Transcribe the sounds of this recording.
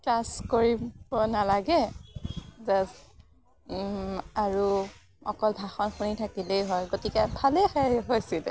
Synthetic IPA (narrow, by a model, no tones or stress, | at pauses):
klaskoɹibɔnalaɡɛ | zas | aɹu | ɔ̰kɔlbʱaxɔnxunitʰakileɦɔjɡotikɛbʱalexɛɦojsilɛ̰